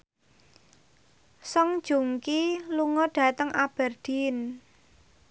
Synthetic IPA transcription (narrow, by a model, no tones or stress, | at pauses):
sɔŋ̥ʒ̥ṳŋkiluŋɔɖ̥a̤t̪əŋʔab̥ɛrd̥i̤n